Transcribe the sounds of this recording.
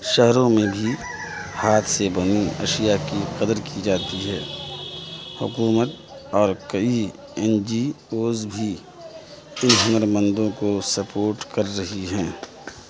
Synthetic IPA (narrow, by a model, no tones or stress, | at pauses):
ʃəɦɾõmẽbʱi | haːt̪ʰsebɐniɐ̰ʃijakiqəd̪əɾkid͡ʒaːt̪iɦɛː | hʊ̰kuːmət̪ | ɔːɾkɐi | ɛnd͡ʒi | oːzbʱi | ɪnɦə̃ŋəɾmə̃nd̪õkosɐpoːɾʈkɐɾːɐɦiɦɛ̃ː